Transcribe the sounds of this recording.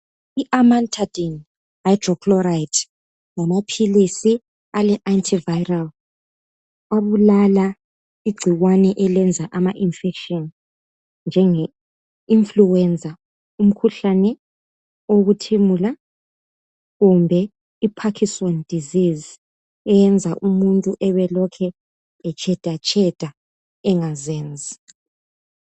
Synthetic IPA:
iʔamantʰad̥in | ajdrɔkʰlɔɾaitʰ | lamapʰilisi | alɛʔantʰivajral | aβulala | iɡ͡ǀʱiɣwanɛʔɛlɛnd͡zʱaʔamaʔinfɛkʃɔn | nd͡ʒʱɛŋɛ | iɱfluwɛnd͡zʱa | um̩kʰuɬanɛ | oɣutʰimula | ɣumbʱɛ | ipʰakʰisɔnd̥ʱiziz | ɛjɛnd͡zʱaʔumuntʼuʔɛβɛlɔkʰɛː | t͡ʃʰʼɛd̥ʱat͡ʃʼɛd̥ʱa | ɛŋazɛːnd͡zʱi

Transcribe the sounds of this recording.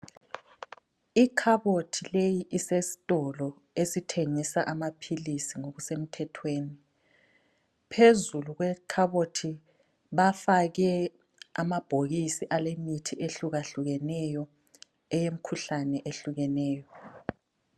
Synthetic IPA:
ikʰaβotʰilejiʔisesi̥tʼɔlɔ | esitʰeŋisaʔamapʰilisiŋoɣusem̩tʰɛtʰweːni | pʰezuluɣwɛkʰaβotʰi | βafaɣɛ | amab̥ʱoɣisiʔalemitʰiʔeɬuɣaɬuɣɛnɛjɔ | ɛjem̩kʰuɬanɛʔeɬuɣɛnɛːjɔ

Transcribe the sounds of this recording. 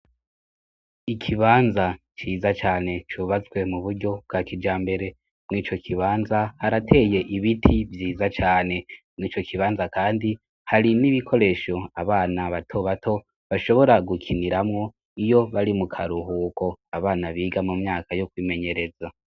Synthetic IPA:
ikʰiβaːnza | t͡ʃiːzat͡ʃaːne̞t͡ʃuβazɡwe̞muβuɾɟo̞b̚ɡakid͡ʒaːmbe̞ɾe̞ | mŋiːt͡ʃo̞kʰiβaːnzahaɾatʰe̞ːje̞ʔiβitʰivjiːzat͡ʃaːne̞mŋiːt͡ʃo̞kʰiβaːnzakaːndi | haɾiniβikʰo̞ɾe̞ʃo̞aβaːnaβatʰo̞βatʰo̞ | βaʃo̞βo̞ɾaɡukʰiniɾamŋo̞ | ijo̞βaɾimukʰaɾuɦuːko̞aβaːnaβiːɡamumɲaːkʰajokwiːme̞ɲe̞ɾe̞za

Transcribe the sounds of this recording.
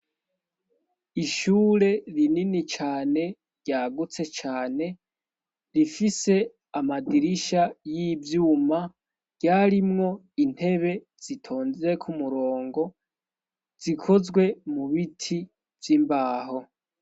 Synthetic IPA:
iʃuːɾe̞ɾininit͡ʃaːne̞ | ɾɟaːɡut͡se̞t͡ʃaːne̞ | ɾifise̞ | amadiɾiʃajivjuːmḁ | ɟaːɾimŋo̞ | in̥he̞βe̞ | z̥itʰo̞ːnzeekʰumuɾo̞ːŋɡo̞ | z̥ikʰo̞zɡwe̞muβitʰi | vjimbaːɦo̞

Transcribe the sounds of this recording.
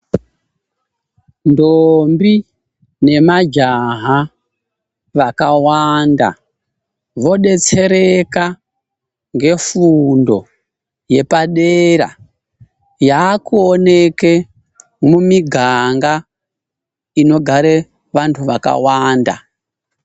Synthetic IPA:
ndombi | ne̞mad͡ʒaɦa | ʋakawanda̰ | ʋo̞ɗe̞t͡se̞ɾeka | ŋɡe̞fundo̞ | je̞paɗeɾa̰ | jaːkuone̞ke | mumiɡʱaŋɡa | ino̞ɡʱaɾe | ʋantʰuʋaka̰waːnda̰

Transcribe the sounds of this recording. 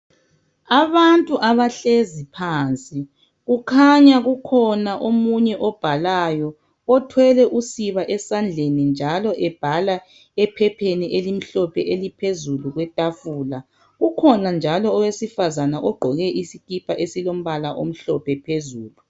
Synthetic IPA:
aβantʼuʔaβaɬezipʰaːnt͡sʼi | ɣukʰaɲaɣukʰɔnaʔomuɲɛʔɔb̥ʱalajɔ | ɔtʰwɛlɛʔusiβaʔɛsand͡ɮʱenind͡ʒʱalɔʔɛb̥ʱala | ɛpʰɛpʰeniʔelim̩ɬɔpʰɛʔelipʰezuluɣwɛtʼafuːla | ɣukʰɔnand͡ʒʱalɔːwesifazanaʔɔɡ͡ǃʱɔɣɛʔisikipʰaʔesilom̩βalaʔo̰m̩ɬɔpʰɛpʰezuːlu

